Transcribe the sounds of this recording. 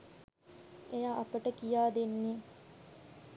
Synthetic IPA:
ejaːʔɐpəʈəkijaːd̪enːiː

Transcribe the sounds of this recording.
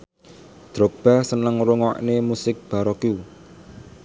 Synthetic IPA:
d̪̥ɾo̤k̚b̥a̤sənəŋɾuŋɔ̰ʔnemusɪk̚b̥a̤ɾɔku

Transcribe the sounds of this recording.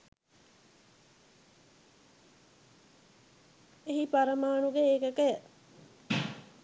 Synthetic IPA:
eɦipaɾəmaːnuɡeeːkəkəjə

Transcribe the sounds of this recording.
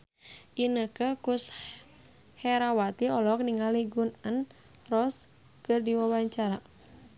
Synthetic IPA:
ʔinəkəkus | hɛɾawat̪iɔlɔk̚niŋaliɡunən | rɔs | kɨrdiwawaɲt͡ʃaɾa

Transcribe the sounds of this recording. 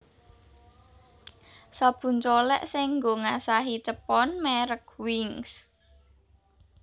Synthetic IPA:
sab̥ṳnt͡ʃolɛ̰ʔsɪŋŋɡoŋasaɦit͡ʃəpɔnmɛɾək̚wɪŋs

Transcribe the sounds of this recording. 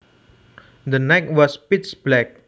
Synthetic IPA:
d̪ənɛkwɔspitsb̥lɛk̚

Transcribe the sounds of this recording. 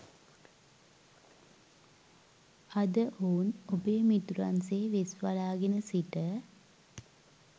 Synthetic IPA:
ɐd̪əʔoːnobejmit̪uɾa̰nseːʋesʋalaːɡenəsiʈə

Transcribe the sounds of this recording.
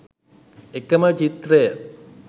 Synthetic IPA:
ekəmət͡ʃit̪ɾejə

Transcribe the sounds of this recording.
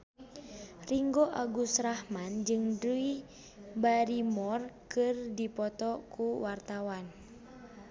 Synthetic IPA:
riŋɡoʔaɡusɾahmand͡ʒɨŋdui | baɾimɔrkɨrdipɔt̪ɔkuwart̪awan

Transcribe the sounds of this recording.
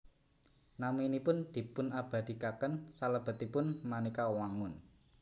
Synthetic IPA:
namuinipʊnd̪̥i̤pʊnab̥ä̤d̪̥i̤kakənsaləb̥ə̤t̪ipʊnmanikawaŋʊn

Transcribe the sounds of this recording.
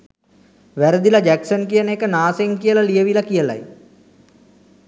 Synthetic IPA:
ʋæɾəd̪ilad͡ʒæksənkijənəekənaːseŋkijəlalijəʋilakijəla̰j

